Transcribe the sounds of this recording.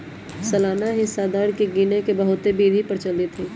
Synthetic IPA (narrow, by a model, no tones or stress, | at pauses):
sɐlaːnaɦɪsad̪aːɾkiɡiːnekebɐɦʊt̪ebiːd̪ʱipɐɾt͡ʃəlɪt̪ʰĩː